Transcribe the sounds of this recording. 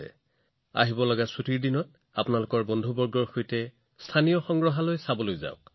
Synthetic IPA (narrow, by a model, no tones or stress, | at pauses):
ɛ̰ | a̰ɦibɔlɔɡasutiɹdinɔt | a̰pʊnalʊkɔɹbɔndʱubɔɹɡɔɹxojtɛ | stʰanijɔxɔŋɡɹɔɦalojsabɔlojza̰ʊk